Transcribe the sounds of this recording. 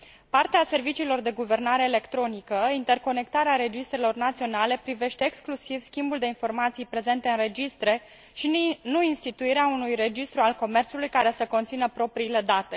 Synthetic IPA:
part̪ease̞rvit͡ʃiːlo̞rd̪e̞ɡuve̞rnaɾe̞ːle̞kt̪ɾo̞nikəint̪e̞rko̞ne̞kt̪aɾeaɾe̞d͡ʒist̪ɾe̞lo̞rnat̪sio̞nale̞pɾive̞ʃt̪e̞ːksklusivskʲimbuld̪e̞info̞rmat̪sijpɾe̞ze̞nt̪e̞ɨnre̞d͡ʒist̪ɾe̞ | ʃinuinst̪it̪uiɾeaunujre̞d͡ʒist̪ɾualko̞me̞rt̪sulujkaɾe̞səko̞nt̪sinəpɾo̞pɾiːle̞d̪at̪e̞

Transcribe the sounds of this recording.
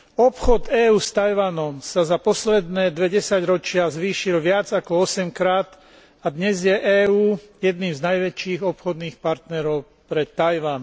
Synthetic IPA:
ɔpxɔd̪ɛːuːst̪ajʋanɔmsazapɔslɛd̪nɛːd̪ʋɛɟɛsaɟɾɔt͡ʃɪazʋiːʃilʋɪad͡zakɔɔsɛmkɾaːt̪ | ad̪ɲɛzjɛʔɛːuːjɛd̪niːmznajʋɛt͡ʃiːɣɔpxɔd̪niːxpaɾt̪nɛɾɔʊ | pɾɛt̪ːajʋan

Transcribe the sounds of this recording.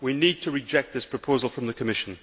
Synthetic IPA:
winid̚tʰəɹɪd͡ʒɛk̚t̪̚ðɪspʰɹ̥əpʰoʊzəlˠfɹə̃mðəkʰəmɪʃə̃n

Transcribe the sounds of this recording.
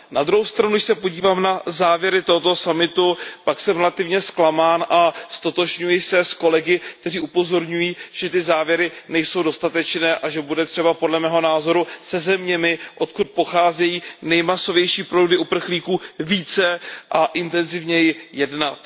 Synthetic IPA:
nad̪ɾuɦowst̪ɾanudɪʃsɛpo̞ɟiːvaːmnazaːvjɛɾɪt̪o̞ɦot̪o̞samɪt̪upaksɛmɾɛlat̪ɪvɲɛsklamaːnʔast̪o̞t̪o̞ʒɲujɪsɛsko̞lɛɡɪkt̪ɛr̝iːʔupo̞zo̞ɾɲujiːʒ̥ɛt̪ɪzaːvjɛɾɪnɛjso̞wdo̞st̪at̪ɛt͡ʃnɛːʔaʒɛbudɛt̪r̥ɛbapo̞dlɛmɛːɦo̞naːzo̞ɾusɛzɛmɲɛmɪʔo̞t̪kut̪̚po̞xaːzɛjiːnɛjmaso̞vjɛjʃiːpɾowdɪʔupr̩xliːkuːviːt͡sɛʔaʔɪnt̪ɛnzɪvɲɛjɪjɛdnat̪

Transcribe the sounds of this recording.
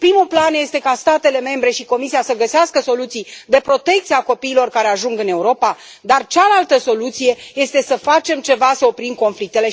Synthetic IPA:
pɾimuplanje̞st̪e̞kast̪at̪e̞le̞me̞mbɾe̞ʃiko̞misiasəɡəseaskəso̞lut̪sijd̪e̞pɾo̞t̪e̞kt̪siako̞piːlo̞rkaɾe̞aʒuŋɡɨne̞uɾo̞pa | d̪art͡ʃalalt̪əso̞lut̪sije̞je̞st̪e̞səfat͡ʃe̞mt͡ʃe̞vasəo̞pɾimko̞nflik̚t̪e̞le̞

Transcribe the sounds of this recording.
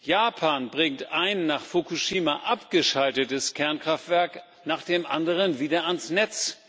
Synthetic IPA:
jaːpʰaːnbʁɪŋtʔaɪnːaːχfokuʃiːmaʔapɡ̥əʃaltətəskʰɛɐnkʁ̥aftv̥ɛɐk | naːχd̥eːmʔandəʁənviːdɐansnɛt͡s

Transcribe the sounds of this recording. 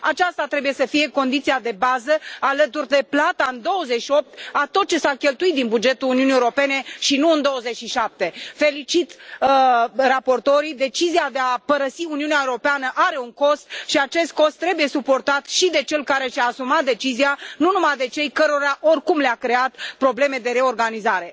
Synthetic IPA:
at͡ʃast̪at̪ɾe̞buje̞səfije̞ko̞nd̪it̪siad̪e̞bazəalət̪urʲd̪e̞plat̪aɨnd̪o̞wəzeʃio̞p̚t̪at̪o̞t̪̚t͡ʃe̞sakʲe̞lt̪uit̪̚d̪inbud͡ʒe̞t̪uluniuniewoɾope̞ne̞ʃinuɨnd̪o̞wəze̞t͡ʃʲʃiʃap̚t̪e̞fe̞lit͡ʃit̪ | rapo̞rt̪o̞ɾid̪e̞t͡ʃiziad̪e̞apəɾəsiuniuneaewɾo̞peanəʔaɾe̞uŋko̞st̪ʃiat͡ʃe̞st̪̚ko̞st̪ːɾe̞buje̞supo̞rt̪at̪ʃid̪e̞t͡ʃe̞lkaɾe̞ʃaːsumat̪̚d̪e̞t͡ʃizianunumajd̪e̞t͡ʃe̞jkəɾoɾaʔo̞rkumleakɾe̞at̪pɾo̞ble̞me̞d̪e̞ɾe̞o̞rɡanizaɾe̞

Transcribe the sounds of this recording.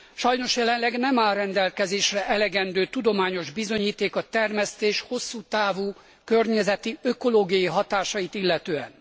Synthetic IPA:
ʃɒjno̞ʃjɛlɛnlɛɡnɛmaːlrɛnd̪ɛlkɛzeːʃrɛʔɛlɛɡɛnd̪øːt̪ud̪o̞maːɲo̞ʒbizo̞ɲiːt̪eːkɒt̪ɛrmɛst̪eːʃho̞sːuːt̪aːvuː | kørɲɛzɛt̪iø̞ko̞loːɡijɒjiɦɒt̪aːʃɒjit̪ilːɛt̪øːɛ̰n

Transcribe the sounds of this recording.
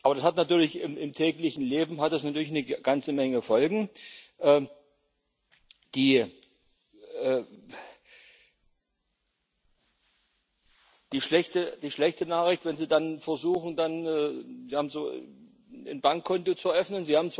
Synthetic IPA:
ʔaːbɐdashatnatyːɐlɪçɪmɪmtʰɛːklɪçn̩leːbm̩ɦatd̥asnatʰyɐlɪçnəɡ̥ant͡səmɛŋəfɔlɡŋ̩ʔɛː | d̥iː | ɛː | d̥iːʃlɛçtəd̥iːʃlɛçtənaːχɪçtvɛnziːdanfɛɐzuːxŋ̩danɛːziːhaːbm̩zoː | ɪnbaŋkʰːɔntot͡suɐʔœfnənziːhaːbm̩t͡s

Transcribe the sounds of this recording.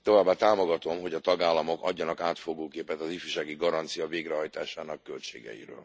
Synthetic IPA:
t̪o̞vaːbːaːt̪aːmo̞ɡɒt̪o̞mɦoɟɒt̪ɒɡaːlːɒmo̞kɒ̰ɟːɒnɒkaːt̪fo̞ɡoːkeːpɛt̪ɒzifyːʃaːɡiɡɒɾɒnt̪sijɒveːɡɾɛɦɒjt̪aːʃaːnɒkːølt͡ʃeːɡɛ̰jḭɾø̰ːl

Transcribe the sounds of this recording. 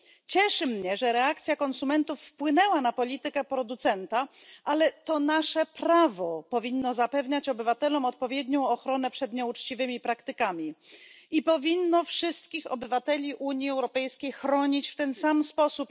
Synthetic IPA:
t͡ɕɛʂɘmɲɛʐɛɾɛak̚t̪sʲjakɔnsumɛnt̪ufːpwɘnɛwanapɔlʲit̪ɘkɛpɾɔd̪ut̪sɛnt̪a | ʔalɛt̪ɔnaʂɛpɾavɔpɔvʲinːɔzapɛvɲat͡ɕɔbɘvat̪ɛlɔmɔt̪̚pɔvʲjɛd̪ɲɔ̃w̃ɔxɾɔnɛpʂɛd̪ɲɛut͡ʂt͡ɕivɘmʲipɾakt̪ɘkamʲiipɔvʲinːɔfʂɘst̪kʲixɔbɘvat̪ɛlʲiʔuɲiɛwɾɔpɛjskʲejxɾɔɲit͡ɕft̪ɛnsamspɔsup

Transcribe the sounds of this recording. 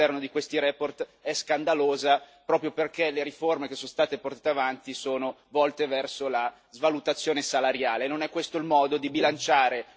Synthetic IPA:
ɛrnod̪ikwest̪iɾɛːport̪ɛskand̪aloːzapɾɔːpɾjoperkeleɾiformekesːonst̪aːt̪eport̪aːt̪eavant̪isoːno | vɔlt̪evɛrsola | zvalut̪at̪sːjoːnesalaɾjaːlenonɛkːwest̪oilmɔːd̪od̪ibilant͡ʃaːɾe

